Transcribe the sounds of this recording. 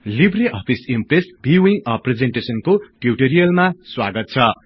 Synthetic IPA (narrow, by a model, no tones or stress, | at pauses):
libriʔʌpʰisimpresbʱiwiŋɡʌpred͡zeɳʈesʌnkoʈiʈeɾijʌlmaswa̰ɡʌt̪̚t͡sʰʌ